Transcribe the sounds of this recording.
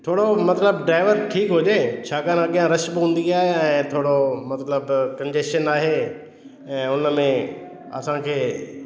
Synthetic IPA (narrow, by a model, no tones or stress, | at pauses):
t̪ʰoːɽomɐt̪ləbɖɾaːɪʋəɾʈʰiːkɦʊd͡ʑeːt͡ɕʰaːkaːnɐɠijãɾɐʃbɦũːn̆d̪iaːɦeɛ̃ːt̪ʰoːɽomɐt̪ləbkɐ̃ɲd͡ʑesʃənaːɦeː | ɛ̃ːʊnəmẽ | ɐ̰sãkʰeː